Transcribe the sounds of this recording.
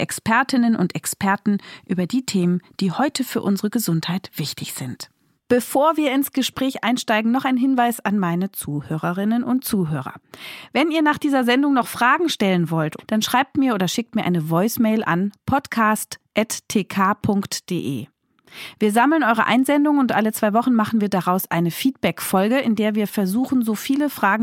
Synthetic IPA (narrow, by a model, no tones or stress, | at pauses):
ʔɛkspʰɛɐtʰɪnənʔʊ̰ntɛkspʰɛɐtn̩ʔyːbɐdiːtʰeːmənd̥iːhɔʏtʰəfyːɐʔʊnzəʁəɡəzʊnthaɪtv̥ɪçtɪçz̥ɪnt | b̥əfoːɐviːɐɪnsɡ̥əʃpʁ̥ɛːçʔaɪnʃtaɪɡŋ̩nɔχaɪnɦɪnvaɪsanmaɪnət͡suːhøːʁɐʁɪnənʔʊntt͡suːɦøːʁɐ̰vɛniːɐnaːχd̥iːzɐzɛndʊŋnɔχfʁ̥aːɡŋ̩ʃtɛlənvɔltd̥anʃʁ̥aɪp̚tmiːɐʔoːdɐʃɪk̚tmiːɐʔa̰ɪnəvɔʏsmɛɪlʔa̰npʰɔtkʰaːstʔɛttʰːeːkʰaːpʰʊŋktd̥eːʔḛː | viːɐzaml̩nʔɔʏʁə̰ʔa̰ɪnzɛndʊŋəʊntʔalət͡sv̥aɪvɔχn̩maχn̩viːɐdaʁaʊsʔaɪnəfiːt̚b̥ɛkfɔlɡəʔɪndeːɐviːɐfɛɐzuːxn̩zoːfiːləfʁ̥aːɡŋ̩